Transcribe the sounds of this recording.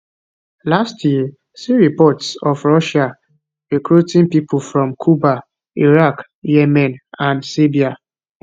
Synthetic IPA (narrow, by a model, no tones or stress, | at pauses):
lastʰjiə | siɹipɔtsɔfɹɔʃa | ɹikɹutĩŋpipʰulfɹɔ̃mkʰuba | iɹak | jɛmɛ̃nãndsibia